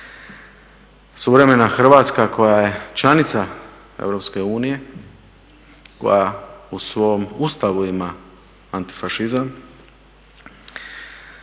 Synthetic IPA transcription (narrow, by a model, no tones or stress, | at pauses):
suʋɾe̞me̞naxr̩ʋaːt̪skakʰo̞jaje̞t͡ʃlanit̪sa | ḛvɾo̞pske̞uːnije̞ | ko̰jausʋo̞must̪aʋuima | ant̪i̥faʃizam